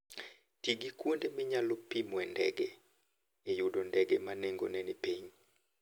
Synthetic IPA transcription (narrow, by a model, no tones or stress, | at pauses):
tiɡikwondemɪɲalɔpimwɛndɛ̰ɡe | ejudondɛɡemaneŋɡo̰nɛnɛpiɲ